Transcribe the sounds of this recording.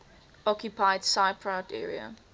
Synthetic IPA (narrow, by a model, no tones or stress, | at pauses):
ɔkʰjupʰaɪdsaɪpʰɹadɛ̰ːɹiə̰